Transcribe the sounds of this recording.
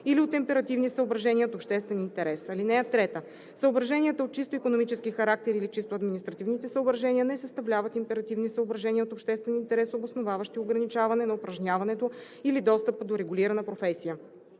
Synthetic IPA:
iliot̪ɛmpɛɾɐt̪ivnisəobɾɐʒɛnʲiəot̪opʃt̪ɛst̪vɛnint̪ɛɾɛsɐlinɛɐt̪ːɾɛt̪ə | səobɾɐʒɛnʲiət̪əot̪̚t͡ʃist̪oikonomit͡ʃɛskixɐɾak̚t̪ɛɾilit͡ʃist̪oɐd̪minist̪ɾɐt̪ivnit̪ɛsəobɾɐʒɛniənɛsəst̪ɐvlʲavət̪impɛɾɐt̪ivnisəobɾɐʒɛniəot̪opʃt̪ɛst̪vɛnint̪ɛɾɛsobosnovavəʃt̪ioɡɾɐnit͡ʃavɐnɛnɐopɾɐʒnʲavɐnɛt̪o | ilid̪ɔst̪əpəd̪oɾɛɡʊliɾɐnəpɾofɛsijə

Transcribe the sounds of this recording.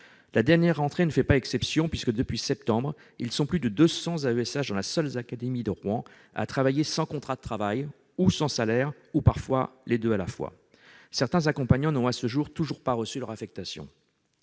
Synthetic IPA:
lad̪ɛʁnjɛʁːɑ̃t̪χenəfɛpaɛksɛpsjɔ̃pɥiskəd̪əpɥisɛp̚t̪ɑ̃bʁ | ilsɔ̃plyd̪əd̪øsɑ̃zaøɛsaʒd̪ɑ̃lasœlzakad̪emid̪əʁwɑ̃ | a̰t̪χavajesɑ̃kɔ̃t̪χad̪ət̪χavaj | usɑ̃salɛʁ | upaʁfwa̰led̪øalafwa̰ | sɛʁt̪ɛ̃zakɔ̃paɲɑ̃nɔ̃asəʒuʁt̪uʒuʁpaʁəsylœʁafɛk̚t̪asjɔ̰̃

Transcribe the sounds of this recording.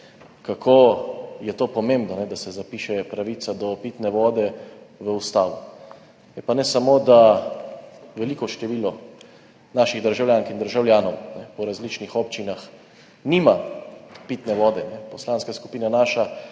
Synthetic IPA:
kakʰojɛt̪oːpɔmẽmbnɔnɛd̪asɛzapiːʃɛpɾaʋiːt̪sad̪ɔpit̪nɛʋɔːd̪ɛʋəust̪aːʋu | jɛpanɛsamoːd̪a | ʋɛlikɔʃt̪ɛʋiːlɔ | naːʃiɣd̪əɾʒawljaːŋkind̪əɾʒawljaːnɔwnɛpɔɾazliːt͡ʃnixɔpt͡ʃinax | niːmapit̪nɛʋɔːd̪ɛnɛpɔslaːnskasku̥piːnanaːʃa

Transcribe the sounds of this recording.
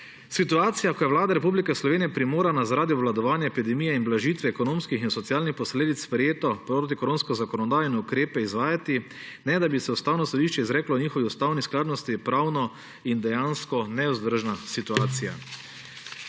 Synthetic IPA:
sit̪uaːt̪sijakɔjɛʋwlaːd̪aɾɛpublikɛslɔʋeːnijɛpɾimoːɾanazaɾaːd̪iɔʋlad̪ɔʋaːnjaɛpid̪ɛmiːjɛinblaʒit̪ʋɛɛkɔnõːmskixinsɔt̪sijaːlnixpɔsleːd̪it̪sspɾɛjeːt̪ɔpɾoːt̪̬ikoɾoːnskɔzakɔnɔd̪aːjɔnɛukɾeːpɛizʋaːjat̪i | nɛd̪abisɛust̪aːwnɔsɔd̪iʃt͡ʃɛizɾɛːklɔniːxɔʋiust̪awnisklaːd̪nɔst̪ipɾaːwnɔ | ind̪ɛjanskɔnɛuzd̪əɾʒnasit̪uaːt̪sija̰

